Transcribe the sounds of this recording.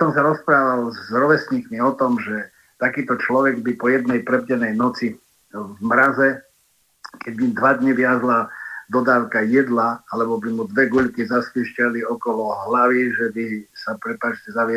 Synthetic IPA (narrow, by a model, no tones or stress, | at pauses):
sɔmsaɾɔspɾaːʋalzɾɔʋɛsɲikmiɔt̪ɔmʒɛ | t̪akiːt̪ɔt͡ʃlɔʋɛɡbipɔjɛd̪̚nɛjpɾɛbɟɛnɛjnɔt͡si | vmɾazɛ | kɛɟbid̪ʋad̪ɲiʋɪazlad̪ɔd̪aːʊkajɛd̪laalɛbɔbimud̪ʋɛɡuʎkizaspiːʃcaliɔkɔlɔɦlaʋiʒɛbisapɾɛpat͡ʃcɛzaʋɛ